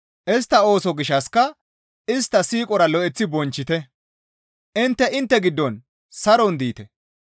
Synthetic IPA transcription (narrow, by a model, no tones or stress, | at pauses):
ʔɪs̬t̪ːɐo̞ːsɔɡɪʃɐskɐ | ɪst̪ːɐsiːkʼɔɾɐlɔʔɛt͡sːɪbɔnt͡ʃːɪt̪ɛ | ʔɪnt̪ːɛʔɪnt̪ːɛɡɪd̪ːɔn | sɐɾɔnd̪iːt̪ɛ